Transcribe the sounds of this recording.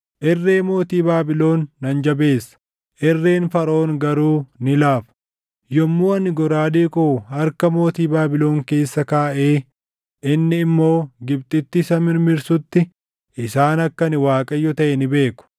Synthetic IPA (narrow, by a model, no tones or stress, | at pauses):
ʔɛrːeːmo̞ːt̪iːbaːbɪlo̞ːnːɐnd͡ʒɐbe̞ːsːɐ̥ | ʔɛrːe̞ːnfɐɾo̞ːŋɡɐɾuːnɪlaːfɐ̥ | jɔmːuːɐnɪɡɔɾaːd̪eːkʼoʊɐɾkɐmo̞ːt̪iːbaːbɪlo̞ːŋke̞ːsːɐkaːʔeː | ʔɪnːɪːmːo̞ːɡɪb̚t̪ʼɪt̪ːɪsɐmɪɾmɪɾsʊt̪ːɪ | ʔɪsaːnɐkːɐnɪwaːkʼɐjːɔt̪ɐʔɛnɪbe̞ːkʊ̥